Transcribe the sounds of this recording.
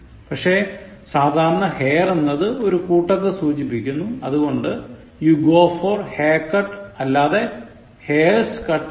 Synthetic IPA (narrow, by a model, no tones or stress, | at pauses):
pɐkʂe̞ | saːd̪ʱaːɾɐɳɐhe̞ːjrenːɐðɨo̞ɾukuːʈːɐt̪ːɨsuːt͡ɕipːikʲːunːuɐðuɣo̞ɳɖɨ | juɡoːforheːkːɐʈɐlːaːðe̞ | heːrskɐʈ